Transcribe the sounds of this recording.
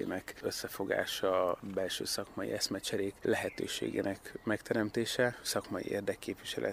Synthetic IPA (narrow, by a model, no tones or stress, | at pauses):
ḛːnɛkøsːɛfo̞ɡa̰ːʃɒbɛlʃø̰ːsɒkmɒjḭʔɛsmɛt͡ʃɛɾeːklɛɦɛt̪ø̰ːʃḛːɡḛːnʔɛkmɛkt̪ɛɾɛmt̪eːʃɛsɒkmɒjḭʔḛːrd̪ɛkkːeːpʋiʃɛlʔɛ̰